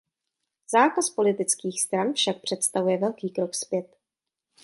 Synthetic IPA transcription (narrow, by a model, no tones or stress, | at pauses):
z̥aːkaspo̞lɪt̪ɪt͡skiːxst̪ɾanfʃak̚pr̝̥ɛt̪st̪avujɛvɛlkiːkɾo̞kspjɛt̪